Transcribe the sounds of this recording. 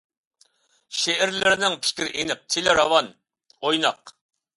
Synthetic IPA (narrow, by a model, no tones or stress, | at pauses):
ʃeɛɾlɪɾɪnɪŋpʰi̥ʃkʲiɾɪʔinɪp̚t̪ʰelɪɾɑwɑn | ojnɑq